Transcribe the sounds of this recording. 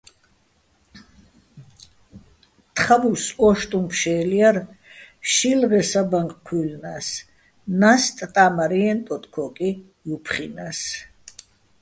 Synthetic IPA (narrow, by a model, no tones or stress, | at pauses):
t̪ʰχavusɔʃt̪ʼumkʰʃɛːliaɾʃilʁɛsabaŋkʼkʰulnas | nast̪ʼt̪ʼamaɾiɛnt̪ʼɔt̪ʼkʰɔkʼi | jupʰχinas